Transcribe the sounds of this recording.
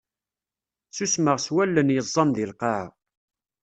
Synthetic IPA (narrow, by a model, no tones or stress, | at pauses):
susməʁswælːənjəzˤːɑmðilqɑʕ